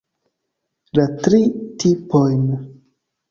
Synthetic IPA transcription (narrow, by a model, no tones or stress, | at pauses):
latɾitʰipojn